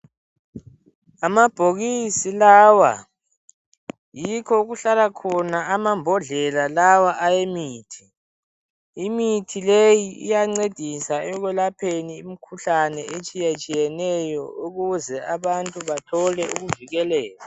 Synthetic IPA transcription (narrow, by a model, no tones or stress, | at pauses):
amab̥ʱoɣisilaːwa̰ | jikʰɔuɣuɬalakʰɔnaamambʱɔɮɛlalawaʔajemiːtʰi̥ | mitʰilejiʔḭjaŋ͡ǀed̥ʱisaɛɣwɛlapʰeniimikʰuɬanɛʔet͡ʃʼijat͡ʃʼijɛnɛjɔuɣuzɛaβantʼuβatʰɔlɛuɣuviɣɛlɛːla